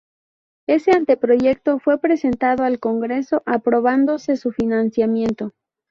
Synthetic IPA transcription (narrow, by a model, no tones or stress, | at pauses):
e̞se̞ant̪e̞pɾo̞ʝe̞k̚t̪o̞fwe̞pɾe̞se̞nt̪að̞o̞alko̞ŋɡɾe̞so̞ʔapɾo̞β̞and̪o̞se̞sufinansjamjẽ̞nt̪o̞